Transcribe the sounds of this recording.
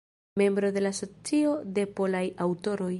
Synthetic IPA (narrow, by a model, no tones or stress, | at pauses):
me̞mbɾo̞de̞laso̞t͡sio̞de̞po̞lajawto̞ɾo̞j